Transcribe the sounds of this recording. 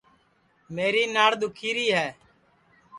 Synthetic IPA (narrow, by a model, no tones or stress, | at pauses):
meːɾiːnaːɽd̪ʊkʰiːɾiːɦɛː